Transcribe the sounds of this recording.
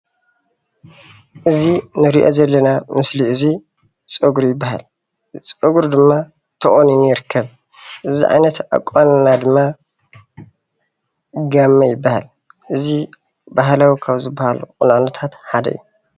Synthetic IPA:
ʔɨzinɨɾiʔo̞̰zɐlːɐnamɨsliɨzi | t͡sʼɨɡɾjɪbːaha̰l | t͡sʼɨɡuɾd̪ɨmːa | t̪ʰɐʔʼoninjɪɾkʰːɐβ | ʔɨzḭʕa̰jnɐt̪ʔa̰kʼːannad̪ɨmːa | ɡamːɐjɪbːahal | ʔɨzi | bahlawikʰaβzɨbːahalṵqʼunanot̪ʰat̪ħad̪ɐ̰ju

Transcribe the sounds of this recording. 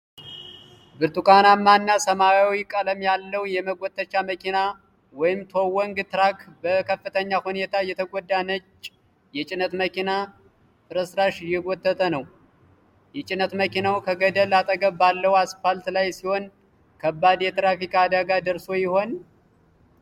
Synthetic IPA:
bɨɾt̪ukʼanamanːasəmawawikʼələmjalːəwjɛməɡʷɔt̪ʼːət͡ʃːaməkʰina | wɔjɪmt̪ʰowɔŋɡt̪ɨɾakbəkʰəfːɨt̪ʰəɲːahune̞t̪ʰajɛt̪ʰəɡʷɔd̪anət͡ʃː | jɛt͡ʃʼɪnət̪məkina | fɨɾəsɾaʃɪjɛɡɔt̪ʼːət̪ʼənəw | jɛt͡ʃʼɪnːət̪məkinawkʰəɡəd̪əlat̪ʼəɡəβbalːəwaspalt̪lajsiho̞n | kʰəbːad̪jɛt̪ɾafikʼad̪aɡad̪əɾso̞jɪho̞n

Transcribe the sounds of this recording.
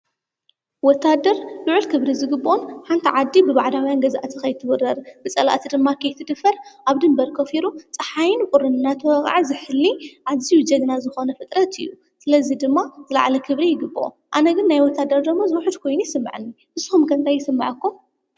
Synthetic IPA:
wɔt̪ʰːad̪ɐɾluʕulkʰɨβɾizɨɡɨbːʔonħant̪ʰiʕad̪ːibɨβaʕd̪awjanɡɐzaʔat̪ʰikɐjt̪ʰɨβɨrːɐɾbɨt͡sʼɐla̰ʔt̪ʰid̪ɨmːakʰɐjt̪ʰɨd̪ɨfɐɾʔaβd̪ɨmbɐɾkʰɐfiɾut͡sʼɐħajɪnkʼʊɾɨnːat̪ʰwɐɣ̰ʼʕazɨħɨlːiʔaβzijud͡ʒɐɡ̪nazɨxo̞nɐfɨt̪ʼɾɐt̪ʰɨ̰jːu | sɨlɐzid̪ɨmːazɨla̰ʕlɐkʰɨβɾijɪɡɨbːʔo̰ | ʔanɐɡɨnːajwɔt̪ʰːad̪ɐɾd̪ɐmːozɨwħɨd̪kʰo̞jnujɪsɨmːa̰ʕnːiʔɨzɨxumkʰɐnt̪ʰajːɪsɨmːaʕɐkːum

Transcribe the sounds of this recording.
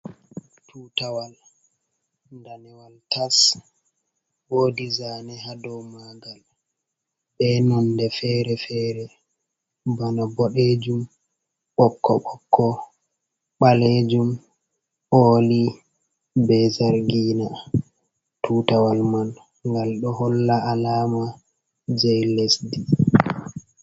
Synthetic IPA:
tʰutawal | ndanɛwaltas | boːdizanɛhadɔwmaɡal | ɓɛnɔndɛfɛɾɛfɛɾɛ | banabɔɗed͡ʒum | ʔɔkːɔ̰ɓɔkʰːɔ | ɓaled͡ʒum | ʔoːli | bɛzaɾɡiːna | tuːtawalman | ŋɡalɗɔhɔlːaalaːma | d͡ʒɛjlesdi

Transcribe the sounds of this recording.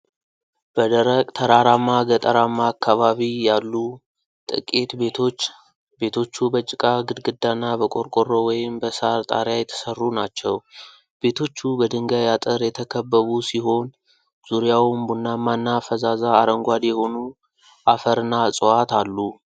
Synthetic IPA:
b̥əd̪əɾəkʼt̪ʰəɾaɾamːaɡət̪ʼəɾamːaːkʰːaβaβijalːu | t̪ʼɨ̰kʼet̪beot͡ʃː | be̞t̪ʰo̞t͡ʃːubət͡ʃʼːɪkʼaɡɨd̪ɡɨd̪ːanːabəkʼo̞ɾkʼorːo̞wɔjɪmbəsaɾt̪ʼa̰ɾjajɛt̪ʰə̥sərːunat͡ʃːɛw | be̞t̪ʰo̞t͡ʃːubəd̪ɨŋɡajat̪ʼəɾjɛt̪ʰəkʰəbːəβusiɦo̞n | z̥uɾijawmbunːamːanːafəzazaːɾəŋɡʷad̪jɛho̞nu | ʔafəɾɨnːasʼowat̪ʰalːu

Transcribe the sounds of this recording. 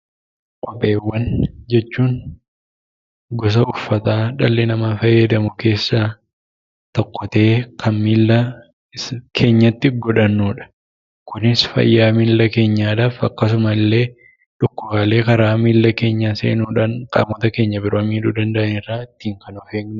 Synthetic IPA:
kʼɔpʼːe̞ːwːɐnd͡ʒɛt͡ʃːuːn | ɡɔs̬ɐʊfːɐt̪aːᶑɐlːɪnɐmafɐjːɐd̪ɐmʊke̞ːsːaː | t̪ɔkːɔt̪e̞ːkʰɐnmiːlːɐ | kʰe̞ːɲːɐt̪ːɪɡɔᶑɐnːuːᶑɐ̥ | kʊnɪsfɐ̰jːaːmiːlːɐke̞ːɲːaːd̪aːfɐkːɐs̬ʊmɐlːe̞ː | ᶑʊkːʊbaːle̞ːkɐɾaːmiːlːɐke̞ːɲːɐsḛːnuːᶑaːnkʼa̰ːmːɔt̪ɐke̞ːɲːɐbɪɾoːmiːᶑud̪ɐnd̪ɐʔɐnɪraːɪt̪ːiːŋkɐnɔfeːɡn

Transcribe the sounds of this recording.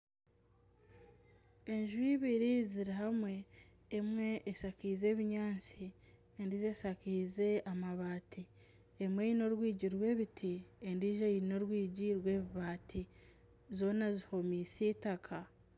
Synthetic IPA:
e̞ɲʒwiβiɾiziɾiɦamwe̞ː | mwe̞ʔːsakiːze̞ːβiɲaːnt͡si | endizesakiːze̞amaβaːtʰi | emwe̞ino̞ɾwiːɟiɾwe̞ːβitʰiendiːʒaiino̞ɾwiːɟiɾwe̞ːβiβaːtʰi | zo̞ːnaziho̞miːsiːtakʰa

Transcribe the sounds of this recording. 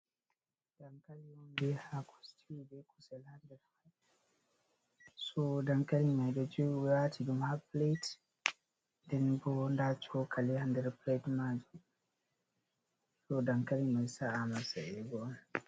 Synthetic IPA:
d̥aŋkaliwɔnbɛhakʰɔ̥stʰibɛkusɛlhandɛɾhaj | sɔdaŋkalimajdɔd͡ʒowwatʰidumhaplejt | ndɛnbɔndat͡ʃɔkʰalihandɛɾpletmad͡ʒu | sɔdaŋkalimajsaamasaɛɡɔn

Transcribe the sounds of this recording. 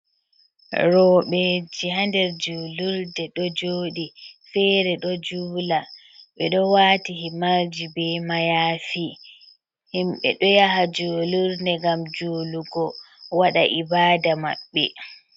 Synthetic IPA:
ɾɔɓɛd͡ʒiɦandɛɾd͡ʒuːluɾdɛɗɔd͡ʒoːɗifɛɾɛɗɔd͡ʒuːla | ɓɛɗɔwaːtihimaɾd͡ʒibɛmajaːfi | himɓɛ̰ɗɔjaɦad͡ʒoːluɾndɛɡamd͡ʒuːluɡɔ | waɗaʔibaːdama̰ɓːɛ̰

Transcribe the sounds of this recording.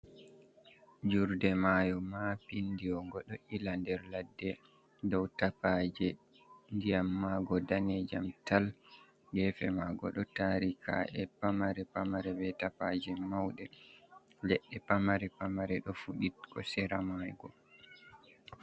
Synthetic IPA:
d͡ʒuɾdɛmajɔmapindiɔŋɡɔɗɔʔilandɛɾladːɛ | dɔwtapad͡ʒɛ | ndijamːaɡɔdanɛd͡ʒamtal | ɡɛfɛmaɡɔɗɔtaɾikʰa̰ʔɛpamaɾɛpamaɾɛbɛtapad͡ʒɛmawɗɛ | lɛɗːɛpamaɾɛpamaɾɛɗɔfuɗitkʰɔ̰sɛɾamajɡɔ

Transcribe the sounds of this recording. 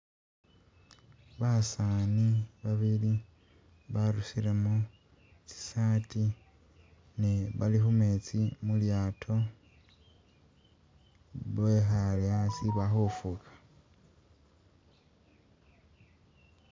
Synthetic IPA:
βasaːniβaβili | βaɾusilemo | t͡si̥sati | neβalixumet͡simuljaːtʰo̞ | βexalasiβaxufukʰḁ

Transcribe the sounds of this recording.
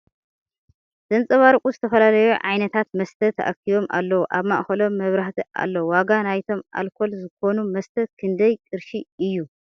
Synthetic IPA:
z̥ɐnt͡sʼɐβaɾkʼuzɨt̪ʰɐfɐlalɐjuʕajnɐt̪ʰat̪mɐst̪ʰɐt̪ʰɐ̰ʔakiβo̞mʔa̰lːɐwuʔaβmaʔxɐlo̞mːɐβɾaht̪ʰiʔa̰lːɐwwaɡanajt̪ʰo̞mʔa̰lkʰo̞lzɨko̞numɐst̪ʰɐkʰɨnd̪ɐjkʼɨɾʃiɨjːu

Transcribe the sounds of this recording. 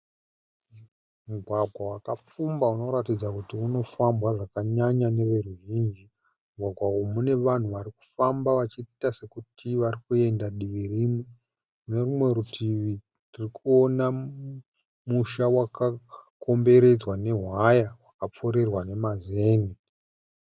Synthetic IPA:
muɡʱwaɡʱwawakap͡fumbauno̞ɾatid͡zakutiuno̞fambwaʐakaɲaɲane̞ʋe̞ruʒiːnd͡ʒi | muɡʱwaɡʱwawomune̞ʋan̤uʋaɾiku̥fambaʋat͡ʃitase̞kutʰiʋarikue̞ndaɗiʋirimwe | mune̞rumwe̞ɾutʰiʋi | nirikuo̞na | muʃawakʰako̞mbe̞ɾe̞d͡zwane̞ɦwajawakap͡fo̞ɾe̞rwane̞mazeːni

